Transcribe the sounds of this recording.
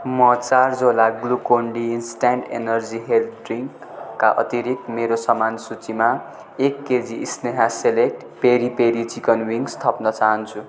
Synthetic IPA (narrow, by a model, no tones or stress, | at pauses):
mʌt͡sard͡zolaɡlukoɳɖiːnsʈaɳʈḛnʌrd͡ziɦelt̪ɖriŋkː | aʔʌ̰t̪iɾikmeɾosʌmansut͡sima | ekːed͡ziisneɦaselek̚ʈ | peɾipeɾit͡sikʌnwiŋɡst̪ʰʌpnʌt͡saɦʌnt͡sʰu